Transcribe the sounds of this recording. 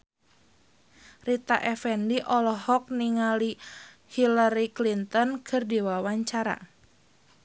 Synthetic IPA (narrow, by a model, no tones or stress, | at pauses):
rit̪a̰ʔɛfɛndiʔɔlɔɦɔk̚niŋali | hilaɾiklint̪ɔnkʰɨrdewawaɲt͡ʃaɾa̰